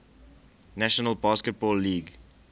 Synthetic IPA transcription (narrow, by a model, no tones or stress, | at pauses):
næʃənəlˠbɑːskət̚bɔːlːiːɡ